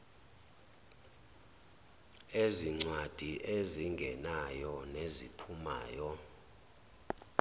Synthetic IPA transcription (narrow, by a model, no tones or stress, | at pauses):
eziŋ͡ǀwad̥ʱiʔeziŋɡʱɛnajɔnezipʰuma̰ːjɔ